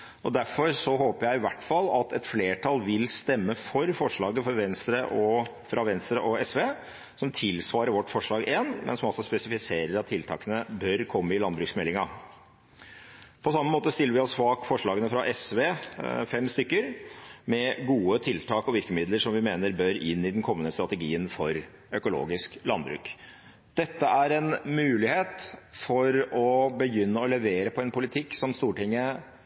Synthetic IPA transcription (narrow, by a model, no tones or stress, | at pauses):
ʔɔd̪æɾfɔɾsɔɦoːpəɾjæɪɪʋæʈːfɑlːɑt̪ɛt̪fleːʈʰɑlːʋɪlst̪ɛmːəfɔɾfɔʂɭɑːɡəfɔɾʋɛnst̪ɾəʔɔ | fɾʔɑʋɛnst̪ɾəʔɔɛsʋeː | sɔmt̪ʰɪlsʋɑːɾəɾʋɔʈːfɔʂɭɑːɡeːnmʔɛ̰nsɔmɑlsɔspɛsɪfɪseːɾəɾɑt̪ʰːɪlt̪ʰɑ̰ːkənəbœɾkʰɔmːəɪlɑnbɾʉksmɛlːɪŋɑ | pʰɔsɑmːəmoːt̪əst̪ɪlːəɾʋɪɔsfɑːkfɔʂɭɑːɡənəfɾɑʔɛsʋeːfɛmst̪ʏkːəɾmɛɡuːət̪ʰɪlt̪ʰɑːkɔʋɪɾkəmɪd̪ləɾʂɔmʋɪmeːnəɾbœɾɪnːɪd̪ɛnkʰɔmːənəst̪ɾɑt̪əɡiːənfɔɾ | œkʊlo̰ːɡɪsklɑnbɾʉ̰ːk | d̪̥ɛt̪ːəʔæɾɛnmʉːlɪheːt̪fɔɾɔbəjʏnːəɔlɛʋeːɾəpʰɔɛnpʰʊlɪt̪ʰɪkːsɔmst̪uːʈɪŋːə